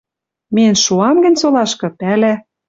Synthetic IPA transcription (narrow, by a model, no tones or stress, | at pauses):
menʃuɑmɡə̆nʲsolɑʃkɤ̆pælæ